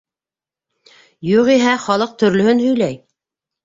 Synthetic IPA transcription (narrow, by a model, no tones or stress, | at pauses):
juʁiɦæχɒlˠɤq̚t̪ɵ̆ɾlɵ̆hɵnhɵ̆jlæj